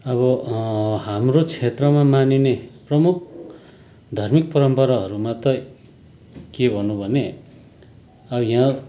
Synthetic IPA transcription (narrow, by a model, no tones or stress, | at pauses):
ʌbʌ | hamrot͡sʰet̪rʌmamanineprʌmuk̚ʰ | d̪ʱarmik̚pʌɾʌmpʌɾaɦʌɾumat̪ʌ | kebʱʌnũbʱʌne | ʌbʌjã